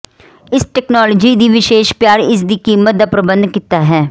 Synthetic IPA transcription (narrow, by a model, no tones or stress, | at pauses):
ɪsʈɛːknaːloːd͡ʒiːd̪iːʋɪʃeːʃpjaːɾɪsd̪iːkiːmət̪̚d̪aːpɾəbənd̪kit̪aːɦɛː